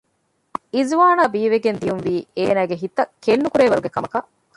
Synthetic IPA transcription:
izʋaːnaːbiːʋeɡend̪ijunʋiːeːnæːɡeɦit̪ɐkenːukuɾeːʋɐɾuɡekɐmɐkɐ

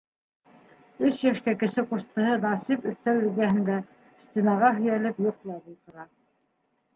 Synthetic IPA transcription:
ɵsjæʃkækɘ̆ʃɘquʃt̪ɤ̆hɤnɑsipɵ̆θt̪æw̪ɵ̆lɡæhɘ̆nd̪æ | st̪ʲinɑʁɑɦɵ̆jælɘpjuq̆̚lˠɑbult̪ɤ̆ɾɑ

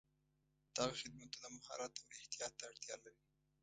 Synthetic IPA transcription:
d̪̥ɑɣaxɪd̪̚mat̪ulamʊhɑ̰ɾat̪awɪht̪ijɑt̪ːaːɽt̪jɑ̰laɾi

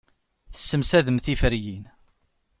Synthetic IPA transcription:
θə̥sːəmsæðəmθifəɾjin

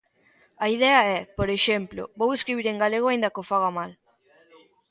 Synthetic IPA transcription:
aiðɛaɛpoɾeʃemplo̰boweskɾiβ̞iɾeŋɡaleɣ̞oaĩnd̪akofaɣamal

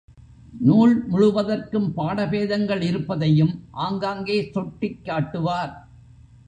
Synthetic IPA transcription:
nuːɭmʊɻʊʋɐðɐrkɯmpaːɽɐpeːðɐŋɡɐɭɪɾɯpːɐðɐjɯmʔaːŋɡaːŋɡeːsɔʈːɪkːaːʈːɯʋaːɾ

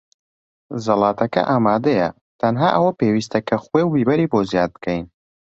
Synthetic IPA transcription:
zɐlˠɑːt̪ʰɐkɐ̰ʔaːmaːd̪ɐjɐ | t̪ʰɐnɦaːʔɐwɐpewiːst̪ʰɐkʰɐxwewbiːbɐɾiːbozjaːd̪̚bɨkʰɛjn

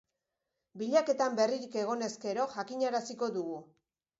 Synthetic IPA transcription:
biʎake̞t̪ambe̞riɾike̞ɣ̞o̞ne̞ske̞ɾo̞ʝakiɲaɾasiko̞ðuɣu

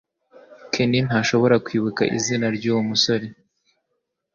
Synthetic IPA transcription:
kʰenin̥haːʃo̞βo̞ɾakwiːβuka̰ʔḭzinaɾɟuːwumuso̞ɾe

